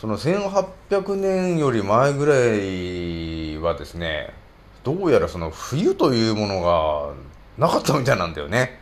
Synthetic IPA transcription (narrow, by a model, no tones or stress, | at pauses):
so̞no̞sẽ̞ɰ̃ɦapʲjakɯ̟nẽ̞ɰ̃jo̞ɾʲimaeɡɯ̟ɾai | βad̪e̞sɨne̞̰ | d̪̥o̞ːjaɾaso̞no̞ɸɯ̟jɯ̟t̪o̞jɯ̟ːmo̞no̞ɡa | nakat̪ːamʲit̪ainãnd̪a̰jo̰ne̞